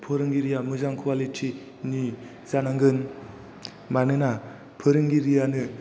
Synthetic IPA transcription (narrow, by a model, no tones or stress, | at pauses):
pʰɯɾɯŋɡiɾijamɯzaŋkʰuwalitʰi | ni | zanaŋɡɯn | manɯna | pʰɯɾɯŋɡiɾijanɯ